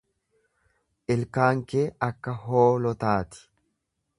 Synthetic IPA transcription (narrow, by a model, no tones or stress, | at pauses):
ʔɪlkaːŋkeːɐkːɐɦoːlɔt̪aːt̪ɪ̥